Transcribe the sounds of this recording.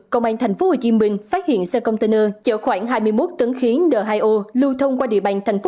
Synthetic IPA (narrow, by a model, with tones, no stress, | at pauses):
kə˧wŋ͡mʔaː˧ŋt̪ʰɛ˨˩ŋ̟fo˨˦hoː˨˩t͡ɕi˧əmï˧˩ŋ̟faː˦˥t̚hḭ˧˨ənsəː˧kə˧wŋ͡mt̪e˧nəː˧t͡ɕəː˧˩xwaː˧˩ŋɦaː˧jmɨ˧əjmo˦˥t̚t̪ɨ˨˦ŋxi˨˦nɗəː˨˩ɦaː˧jʔo˧lu˧wt̪ʰə˧wŋ͡mkwaː˧ɗḭ˧əɓa̰ː˧˩ŋt̪ʰɛ˨˩ŋ̟f